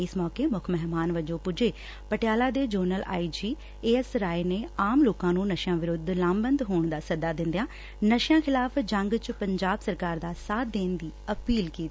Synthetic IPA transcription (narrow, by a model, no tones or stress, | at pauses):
ɪsmɔːkeːmʊkʰmɛɦmaːnʋəd͡ʒõːpʊd͡ʒeː | pəʈɪjaːlaːd̪eːd͡ʒəːɾnəla̰ːid͡ʒiː | eːɛsɾaːeneːaːmloːkãːnũːnəʃjãːʋɪɾʊd̪ʱlãːmbənd̪ɦoːɳd̪aːsəd̪aːd̪ɪ̃nd̪jãː | nəʃjãːkʰɪlaːpd͡ʒəŋɡt͡ʃpəɲd͡ʒaːbsəɾkaːɾd̪aːsaːd̪eːnd̪iːəpiːlkiːt̪i